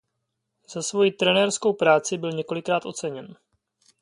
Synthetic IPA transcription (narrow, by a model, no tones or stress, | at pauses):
z̥asvo̞jit̪ɾɛnɛrsko̞wpɾaːt͡sɪbɪlɲɛko̞lɪkɾaːt̪ʔo̞t͡sɛɲɛn